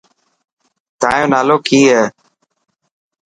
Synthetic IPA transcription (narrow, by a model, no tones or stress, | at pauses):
t̪a̰ːjõːnaːloːkʰiːɦɛː